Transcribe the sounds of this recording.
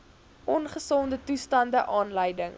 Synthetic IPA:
ʔɔnχəsɔndətustɐndəʔɑːnləjdəŋ

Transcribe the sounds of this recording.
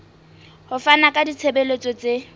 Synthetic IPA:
hʊfanakʼadit͡sʰebelet͡sʼɔt͡sʼe

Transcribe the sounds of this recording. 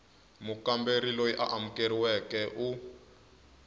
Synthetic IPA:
mukambeɾilojiʔa̰ʔamukeɾiwɛkɛʔu

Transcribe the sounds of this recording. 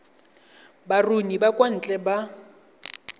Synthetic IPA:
barunibakʼwan̩t͡ɬʼɛba

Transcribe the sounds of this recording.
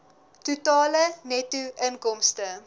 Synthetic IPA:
tutɑːlənɛtuʔənkɔmstə

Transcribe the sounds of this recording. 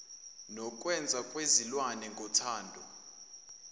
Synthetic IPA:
nɔkʼwɛnd͡zʱakʼwezilwanɛŋɡʱɔtʰaːndʱɔ

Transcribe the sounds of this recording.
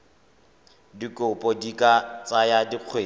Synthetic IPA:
dikʼʊpʼɔdikʼat͡sajadiq͡χʰweː

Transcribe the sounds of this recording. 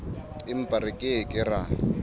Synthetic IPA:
ɪm̩pʼaɾɪkʼɪkʼɪra

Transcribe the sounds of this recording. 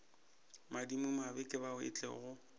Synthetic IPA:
madimʊmabɪkʼɪbaʊɪ̰t͡ɬʼɛ̰ɣʊ

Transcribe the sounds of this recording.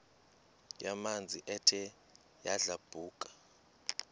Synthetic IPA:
jamand͡zʱiʔɛtʰɛ | jaɮab̥ʱuːkʼḁ

